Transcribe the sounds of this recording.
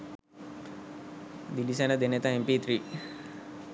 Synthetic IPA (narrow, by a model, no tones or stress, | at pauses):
d̪ilisenəd̪enet̪aɦempit̪ɾi